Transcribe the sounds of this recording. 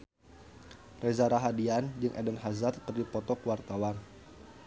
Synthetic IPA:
rʔezaɾaɦadiand͡ʒɨŋʔɛdənɦazarpərdipɔt̪ɔkəwart̪awan

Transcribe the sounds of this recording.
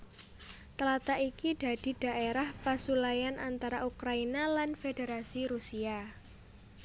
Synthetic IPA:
t̪əlat̪aʔikiɖ̥a̤d̥i̤d̥a̤ʔeɾahpasulajanʔant̪aɾaʔukɾainalanfedeɾasiɾusia

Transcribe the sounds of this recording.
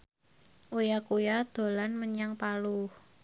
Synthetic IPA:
ʔujakujad̪̥o̤lanməɲaŋpaluh

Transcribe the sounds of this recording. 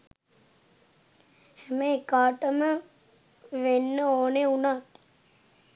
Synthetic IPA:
hɛməekaːʈəmə | ʋenːəoːneunaːt̪

